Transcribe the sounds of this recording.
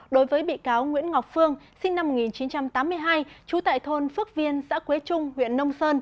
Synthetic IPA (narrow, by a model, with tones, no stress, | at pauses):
ɗo˨˦jvəː˨˦jɓḭ˧˨kaː˨˦wŋwḭ˧˥ənŋɔ˨˩wk͡p̚fɨ˧əŋsï˧ŋ̟na˧mː˨˩t̚ŋi˨˩nt͡ɕi˨˦nt͡ɕa˧mt̪aː˨˦mːɨ˧əjɦaː˧jt͡ɕu˨˦t̪a̰ː˧˨jt̪ʰo˧nfɨ˦˥ək̚vi˧ənsa̰ː˧˥kwe˨˦t͡ɕʊ˧ŋ͡mhwḭ˧˨ənːə˧wŋ͡msəː˧n